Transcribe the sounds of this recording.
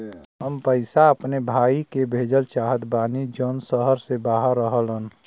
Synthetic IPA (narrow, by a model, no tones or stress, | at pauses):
ɦəmpəɪsaəpnebʱaːikebʱeːd͡ʒəlt͡ʃaːɦət̪baːnid͡ʒoːnsəɦəɾsebaːɦəɾːəɦəlɦən